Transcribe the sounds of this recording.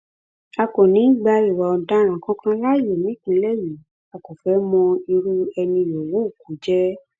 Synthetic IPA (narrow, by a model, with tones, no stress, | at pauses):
a˧kõ˨nĩ˨˦˨ɡ͡ba˧i˨wa˨ɔ˨˧da˦ɾ̃ã˨kã˦kã˦la˦˨˦je˨nĩ˨˦kĩ˨˧˦lɛ˦˨ji˨ | a˨ko˨fɛ˨˦mɔ̃˧i˧ɾu˦ɛ˧nĩ˧jo˨wu˨˦u˦˨ku˨˦d͡ʒɛ˦